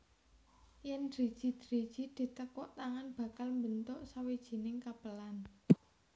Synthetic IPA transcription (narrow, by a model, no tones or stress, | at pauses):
jɛndɾid̥ʒ̥i̤d̪̥ɾi̤d̥ʒ̥i̤d̪̥i̤t̪əkɔʔt̪aŋanb̥ä̤kalmbənt̪ʊʔsawid̥ʒ̥i̤nɪŋkapəlan